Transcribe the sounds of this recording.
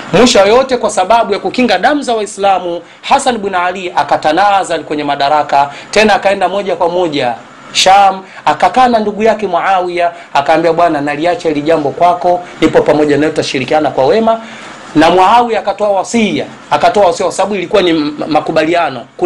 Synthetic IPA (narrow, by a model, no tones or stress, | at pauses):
mwiʃajɔtɛkwasaɓaɓujakukiŋɡaɗam̩zawaislamu | hasanɓwinaliakatanazalikwɛɲɛmaɗaɾakatɛnaːkaɛndamɔʄakwamɔʄa | ʃamakakaːnanduɡujakɛmwaawiaː | kaːmbiaɓwananaliat͡ʃailiʄambɔkwakɔnipɔpamɔʄanajɔtutaʃiɾikianakwawɛma | namwaawiaːkatɔawasija̰ | akatɔawasijakwasaɓaɓuilikuwanimakuɓalianɔk